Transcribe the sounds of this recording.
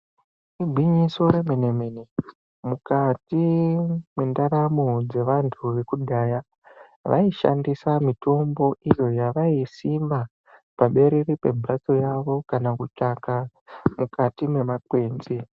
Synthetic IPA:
ibʱwiɲiso̞ɾe̞menemene | mukati | me̞ndaramod͡ze̞ʋantʰuʋe̞kudʱaːja | ʋa̰iʃa̰ndisamito̞mbo̞ʔijo̞jaʋaisimba | paɓe̞ɾeripe̞̰bʱurat͡so̞jaʋo̞kanakut͡ʂaka | mukʰatime̞mak̚we̞ːnzi

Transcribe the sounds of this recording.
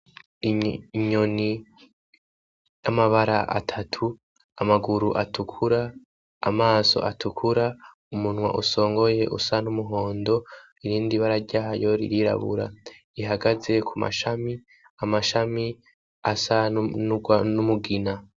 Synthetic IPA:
iɲoni | jamaβaɾaʔa̰tʰatʰu | amaɡuɾuʔatukʰuɾa̰ː | maːso̞̰ʔatʰukʰuɾa | umun̥wa̰ʔuso̞ːŋɡo̞je̞ʔṵsanumuɦo̞ːndo̞ | iɾiːndiβaɾaɾɟahajo̞ɾḭɾiɾa̰βṵɾa̰ | iɦaɡaze̞kʰuma̰ʃami | amaʃami | asanuɡwanumuɡina

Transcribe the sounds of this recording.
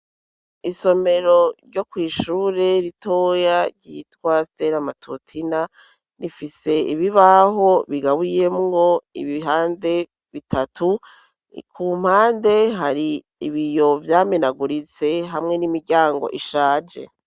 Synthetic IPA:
iso̞me̞ɾo̞ɾɟo̞kwiːʃuːɾe̞ɾitoːjaɾɟitwasteɾamatʰutʰina | nifise̞iβiβaɦo̞βiɡaβuje̞mŋɡo̞ḭβiɦaːnde̞ | βitʰatu | kʰuːm̥haːnde̞ɦaɾi | iβijo̞vjaːmenaɡuɾit͡se̞ɦamŋe̞nimiɾɟaːŋɡo̞̰ʔiʃaːd͡ʒe̞̰

